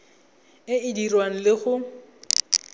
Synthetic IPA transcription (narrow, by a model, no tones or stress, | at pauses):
ɪɪdirwaŋ̩lɪɣʊ